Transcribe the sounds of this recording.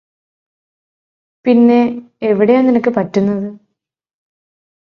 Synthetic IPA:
pinːe̞ | eʋiɽejaːninɐkːɨpɐtːunːɐðɨ

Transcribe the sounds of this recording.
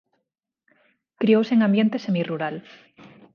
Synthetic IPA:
kɾiowseŋãmbjent̪esemiruɾal

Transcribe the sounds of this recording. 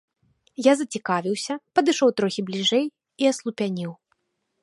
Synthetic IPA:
jazɐt͡sʲikavʲiwsʲɐpɐd̪ɨʂɔwt̪ɾɔxʲiblʲiʐɛj | iɐslˠupʲanʲiw

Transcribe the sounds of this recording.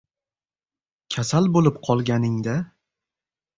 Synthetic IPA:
kʲʰasalbolɪpqʰɒlˠɡʲanɪŋd̪a

